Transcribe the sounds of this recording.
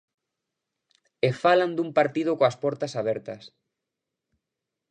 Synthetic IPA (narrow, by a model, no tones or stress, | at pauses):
efaland̪umpaɾt̪ið̞okoaspɔɾt̪asaβɛɾt̪ɐs